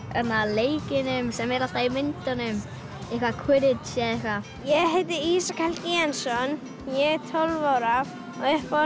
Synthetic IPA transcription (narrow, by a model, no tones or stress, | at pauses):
ɛnalejkɪnɪmsɛmɛɾat̪ajmɪnt̪ɔnɪm | ɪkakʰwɪɾɪd̪ʃɛɪka | jɛɦet̪̬ɪiːsakʰalkiansɔn | jɛt̪ʰɔlvɔɾav | ɔɛfɔ